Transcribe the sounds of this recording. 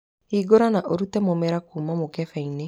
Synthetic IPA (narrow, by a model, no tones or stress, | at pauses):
iːɡoɾanaʔoɾutɛmomɛɾakuːmamokɛfɛine